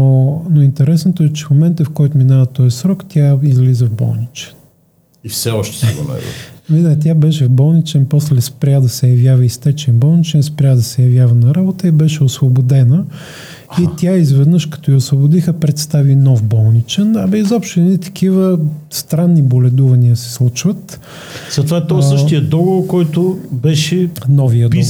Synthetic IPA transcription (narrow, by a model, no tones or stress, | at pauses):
onoint̪ɛɾɛsnot̪oɛt͡ʃɛ̥fmomɛnt̪əfkɔjt̪ʊminavət̪ɔɛsɾɔkt̪ʲjaizlizəvbɔ̰lˠnit͡ʃɛ̥n | ifsɛɔʃt̪ɛ̥szɐ̰ɛ̰ɛ̰mid̪t̪̬ʲjabɛʃɛvbɔlˠnit͡ʃɛnpɔslɛspɾʲad̪ɐsɛjɐvjavəist̪ɛt͡ʃɛnbɔlˠnit͡ʃɛnspɾʲjad̪ɐsɛjɐvjavɐnɐɾabot̪əibɛʃɛosvobod̪ɛnə | it̪ʲjaizvɛd̪nəʃkɐ̥t̪ɔjiosvobʊd̪ixəpɾɛt̪st̪avinɔvbɔlˠnit͡ʃɛnɐmizɔpʃt̪ʊɛnit̪ɐ̥k̟ivəst̪ɾanːibolɛd̪uvɐniəsɛ̥slˠut͡ʃvət̪ | sət̪vɛt̪nosɤʃijəd̪ɔɡovoɾkɔjt̪ʊbɛʃɛnɔvijəi